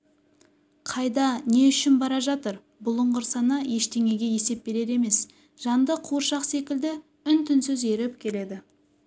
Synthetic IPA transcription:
qʰɑjd̪ɑne̞ʏʃɪnbɑɾɑʒɑt̪əɾ | bʊlˠʊɴʁəɾsɑnɑje̞ʃt̪e̞ŋe̞ɡʲe̞je̞se̞p̚be̞ɾe̞ɾe̞me̞s | ʒ̥ɑnd̪əqʰuɾʃɑqse̞kʲɪld̪ɪ | ʏnt̪ʰɪnsʏze̞ɾɪpkʲʰe̞le̞d̪ɪ

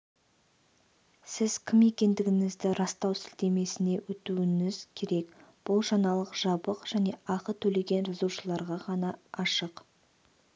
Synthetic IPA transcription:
sɪz̥kʲʰɪme̞kʲe̞nd̪ɪɡʲɪŋɪzd̪ɪɾɑst̪ɑwsɪlt̪e̞me̞sɪne̞wɵt̪uɪŋɪzkʲʰe̞ɾe̞kb̥ʊlˠʒɑnɑlˠəqʒ̥ɑbəqʒ̥æne̞ɑqət̪ʰɵle̞ɡʲe̞nɾɪzuʃəlˠɑɾʁɑʁɑnɑɑʃəq

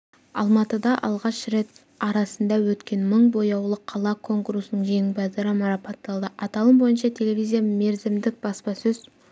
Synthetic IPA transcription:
ɑ̰lˠmɑt̪əd̪ɑʔɑlˠʁɑʃɾe̞t̪̚ | ɑɾɑsənd̪ɑwɵt̪kʲe̞nməɴbo̞jɑwlˠəqʰːɑlˠɑkʰo̞ŋkuɾusnəɴʒeŋbæd̪ɑɾəmɑɾɑpot̪ːɑlˠd̪əʔɑt̪ɑlˠəmbo̞jənʃɑt̪ʲʰe̞le̞vʲijzʲijame̞ɾzɪmd̪ɪk̚bɑspɑsɵz

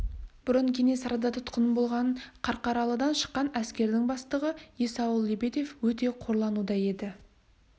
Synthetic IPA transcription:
b̥ʊɾəɴkʲʰene̞sɑɾɑd̪ɑt̪ʰʊ̥t̪qənəmbo̞lˠʁɑnɴqʰɑɾqɑɾɑlˠəd̪ɑnʃə̥qːɑnæskʲe̞ɾd̪ɪŋbɑst̪əʁəjesɑwəlˠːebet̪ʲe̞fwɵt̪̬e̞qʰo̞ɾlˠɑnud̪ɑje̞d̪ɪ

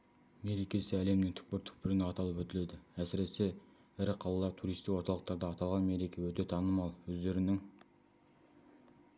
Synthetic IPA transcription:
me̞ɾekʲe̞sɪæle̞mnɪŋt̪ʰʏ̥k̚pɪɾt̪ʰʏ̥k̚pɪɾɪnɑt̪ɑlˠəpwɵt̪ɪled̪ɪæsɪɾe̞se̞ | ɪɾɪqʰɑlˠɑlˠɑɾt̪ʰuɾijst̪ɪkwo̞ɾt̪ɑlˠəqt̪ɑɾd̪ɑːt̪ɑlˠʁɑnme̞ɾekʲe̞wɵt̪e̞t̪ʰɑnəmɑlˠwɵzd̪e̞ɾɪnɪŋ

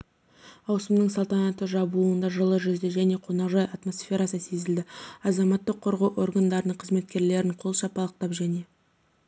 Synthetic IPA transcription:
ɑwsəmnəɴsɑlˠt̪ɑnɑt̪əʒɑbuənd̪ɑʒəlˠəʒʏzd̪eʒæne̞qʰo̞nɑqʒɑjɑt̪mo̞sfʲe̞ɾɑsəse̞zɪld̪ɪɑzɑmɑt̪ːəqʰːoɾʁɑwʔo̞rɡand̪ɑɾənəɴqʰəzme̞t̪̚kʲe̞ɾle̞ɾɪɴqʰo̞lˠʃɑpɑlˠəq̚t̪ɑpʒæne̞

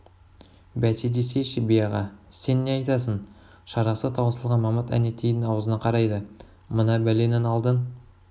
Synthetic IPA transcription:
bæsed̪e̞se̞ʃɪbijɑʁɑ̰se̞nːe̞ɑjt̪ɑs̬ən | ʃɑɾɑsət̪ʰɑwəsəlˠʁɑnmɑmət̪æ̰net̪ʰejd̪ɪŋɑwəzənɑqʰɑɾɑjd̪ə | mənɑbæle̞nɪnɑlˠd̪ən

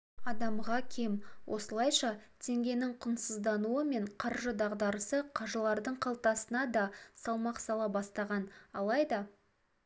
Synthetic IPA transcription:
ɑd̪ɑmʁɑkʲʰe̞mwʔo̞̰səlˠɑjʃɑt̪ʰe̞ŋɡʲe̞nɪŋqʰʊnsəzd̪ɑnuəme̞ɴqʰɑɾʒəd̪ɑʁd̪ɑɾəsəqʰɑʒəlˠɑɾd̪əɴqʰɑlˠt̪ɑsənɑd̪ɑsɑlˠmɑqsɑlˠɑbɑst̪ɑʁɑnɑlˠɑjd̪ɑ

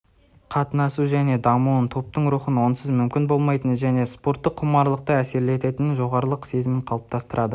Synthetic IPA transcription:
qʰɑt̪ənɑsuʒæne̞d̪ɑmuənt̪ʰo̞p̚t̪əɴɾuχənwo̞nsəzmʏmkʲɪnbo̞lˠmɑjt̪ənʒæne̞spo̞ɾt̪ːəqʰːʊmɑɾlˠəq̚t̪əæse̞ɾle̞t̪e̞t̪ɪnɪʒo̞ʁɑɾəlˠəqse̞zɪmɪɴqʰɑlˠəp̚t̪ʰɑst̪əɾʔɑd̪ə

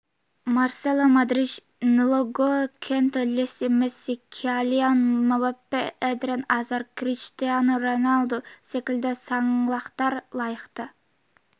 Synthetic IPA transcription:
mɑɾselˠamɑd̪ɾɪd͡ʒ | nɪlˠoɡokʲʰent̪olʲesɪmɛsɪkʲʰiɑlijanmɛwɛpːɛɛd̪ɾɛnɑːzɑɾkʰɾiʃt̪ijɑnuɾonɑlˠd̪uʃekʲilʲd̪ɛsɑŋlˠɑχt̪ɑɾlˠɑjɨqt̪ɑ

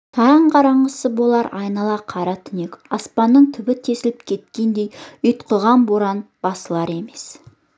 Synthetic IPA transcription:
t̪ʰɑɾɑɴqʰɑɾɑɴɢəsəbo̞lˠɑɾɑjnɑlˠɑqʰɑɾɑt̪ʰʏne̞kʲɑspɑnːəɴt̪ʰʏbɪt̪ʰe̞sɪlɪp̚kʲʰe̞t̪kʲe̞nd̪e̞jʏjt̪qʰəʁɑnboɾɑnbɑsəlˠɑɾe̞me̞s

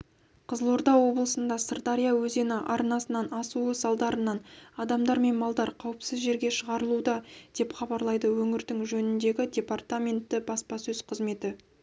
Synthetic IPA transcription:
qʰəzəlˠoɾd̪ɑwo̞blˠəsənd̪ɑsərt̪aɾijawɵze̞nɪʔɑɾnɑsənɑnɑsuəsɑlˠd̪ɑɾənɑnɑd̪ɑmd̪ɑɾme̞nmɑlˠd̪ɑɾqʰɑwəpsɪzʒe̞ɾɡʲe̞ʃəʁɑɾəlˠud̪ɑd̪̥e̞pχɑbɑɾlˠɑjd̪əwɵŋɪɾd̪ɪŋʒɵnɪnd̪e̞ɡʲɪdʲe̞part̪amʲe̞nt̪ːɪbɑspɑsɵz̥qʰəzme̞t̪ɪ

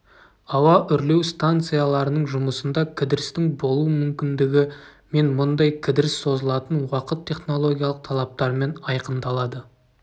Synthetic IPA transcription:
ɑwɑʔʏɾle̞wst̪ant̪sɨjalˠɑɾənəɴʒʊməsənd̪ɑkʲʰɪd̪ɪɾɪst̪ɪŋbo̞lˠuwəmʏmkʲɪnd̪ɪɡʲɪme̞nmʊnd̪ɑjkʲʰɪd̪ɪɾɪsːo̞zəlˠɑt̪ənwɑqət̪ʰːe̞χno̞lˠo̞ɡʲijalˠəq̚t̪ʰɑlˠɑp̚t̪ɑɾme̞nɑjqənd̪ɑlˠɑd̪ə

